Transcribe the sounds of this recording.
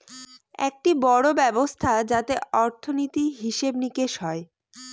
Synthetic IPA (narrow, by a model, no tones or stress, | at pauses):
ɛ̰k̚ʈibɔɽobɛbost̪ʰad͡ʑat̪eɔɾt̪ʰonit̪iɦiʃebnikeʃɦɔe